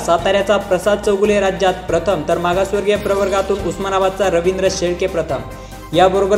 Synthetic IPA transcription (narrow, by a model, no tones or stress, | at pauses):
sat̪aɾjat͡sapɾəsad̪̚t͡səwɡuleɾad͡ʑjat̪̚pɾət̪ʰəmt̪əɾmaɡasʋəɾɡjepɾəʋəɾɡat̪uːnusmənaʋat̪̚t͡saɾəʋind̪ɾəɕeɭkepɾət̪ʰəm | jabəɾobəɾ